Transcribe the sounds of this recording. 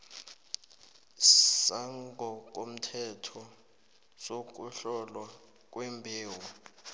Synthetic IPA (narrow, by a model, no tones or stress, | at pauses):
saŋɡʱɔk̬ʼom̩tʰɛtʰɔ | sok̬ʼuɬɔlwa | k̬ʼwembʱiːwɔ